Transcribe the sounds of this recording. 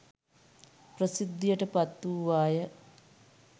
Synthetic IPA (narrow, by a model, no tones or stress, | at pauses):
pɾɐsid̪ːjɐʈɐpɐt̪ːuːʋaːjɐ